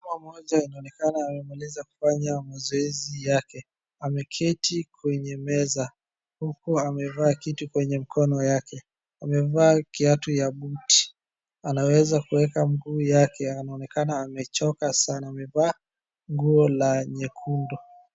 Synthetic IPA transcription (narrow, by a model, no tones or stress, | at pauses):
mamɔʄainaɔnɛkanaːmɛmalɛzaku̥faɲamazɔɛzijakɛ | amɛkʰɛtʰikwɛɲɛmɛza | hukuamɛvaːkitukwɛɲɛmikʰɔnɔjakɛ | amɛvaːkiatujaɓuti̥ | anawɛzakuwɛkaŋɡuːjakɛanaɔnɛkanaːmɛt͡ʃɔkasanaːmɛvaː | ŋɡuɔlaɲɛkʰundɔ